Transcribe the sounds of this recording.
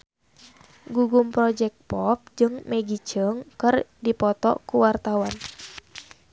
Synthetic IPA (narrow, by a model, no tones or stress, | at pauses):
ɡuɡumpɾɔd͡ʒɛk̚pɔp̚d͡ʒɨŋmɛɡit͡ʃəŋkɨrdipɔt̪ɔ̰kuwart̪awan